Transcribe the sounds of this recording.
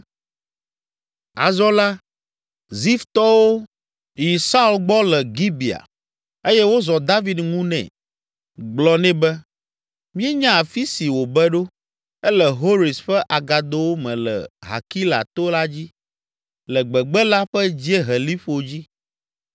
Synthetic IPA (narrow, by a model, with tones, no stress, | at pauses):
a̰˨zɔ˦la˦ | zi˦ft̪ɔ˦wo˦ | ji˨sa˦u˦lɡ͡bɔ˦lɛ˨ɡi˦bi˨a̰˨ | e˦jɛ˦wo˦zɔ˨d̪a˦vi˨dŋũ˦nɛ̰̃˨ | ɡ͡blɔ˦nɛ̃˦bɛ˦ | mĩ˦ɛ˦ɲã˦a˨fi˦si˨wo˨bɛ˦ɖo˦ | ɛ˦lɛ˨ɦo˦ɾi˨sɸɛ˦ʔa˨ɡa˨d̪o˦wo˦mɛ̃˨lɛ̰˨ɦa̰˨ki˦la̰˨t̪o˦la˦d͡ʑi˦ | lɛ˨ɡ͡bɛ˨ɡ͡bɛ˦la˦ɸɛ˦d͡ʑi˦e˦ɦɛ˨li˦ɸo˨d͡ʑi˦